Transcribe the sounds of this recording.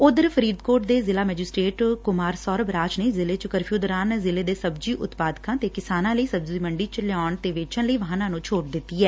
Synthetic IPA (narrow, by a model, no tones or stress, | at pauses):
od̪əɾpʰəɾiːd̪koːʈd̪eːzɪlaːmɛːd͡ʒɪsʈɾeːʈkʊmaːɾsɔːɾbɾaːt͡ʃneːzɪleːt͡ʃkəɾpʰjuːd̪ɾaːnzɪleːd̪eːsəbd͡ʒiːʔʊt̪paːd̪kãːt̪eːkɪsaːnãːləiːsəbziːməɳɖiːt͡ʃəlɪɔːɳt̪eːʋeːt͡ʃənləiːʋəɦaːnãːnũːt͡ʃʰoːʈ̚d̪ɪt̪ːiːɛː